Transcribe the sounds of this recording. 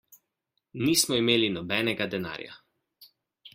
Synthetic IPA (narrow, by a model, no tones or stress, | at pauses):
niːsmɔimeːlinɔbɛːnɛɡad̪ɛna̰ːɾja̰